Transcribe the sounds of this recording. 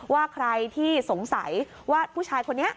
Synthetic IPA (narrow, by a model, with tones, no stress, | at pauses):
waː˥˩kʰɾa˧jt̪ʰiː˥˩so˩˦ŋsa˩˦j | waː˥˩pʰuː˥˩t͡ɕʰaː˧jkʰo˧nːi˦˥ɐʔ